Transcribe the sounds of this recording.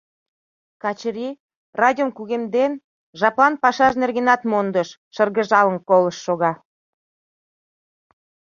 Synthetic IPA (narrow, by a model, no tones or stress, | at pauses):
kɑt͡ɕɾi | rɑd̪ʲomkuɣemd̪en | ʒɑplɑnpɑʃɑʃnerɣenɑt̪mond̪əʃːərɣəʒɑlənkoləʃːoɣɑ